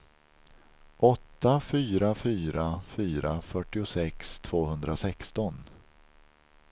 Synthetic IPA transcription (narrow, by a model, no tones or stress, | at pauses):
ʔɔt̪ːafyːɾafyːɾafyːɾafœʈːɪʊsɛkst̪ʰv̥oːhɵnd̪ɾasɛkst̪ɔn